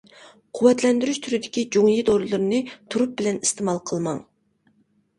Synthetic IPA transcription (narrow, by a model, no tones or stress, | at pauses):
qʰuwːɛt̪lɛnd̪yɾyʃt̪ʰyɾɪd̪ɪkʲid͡ʒoŋjid̪oɾɨlˠɨɾɨnɨt̪ʰuɾup̚bɪlɛnist̪ɪmɑlˠqʰəlˠmɑŋ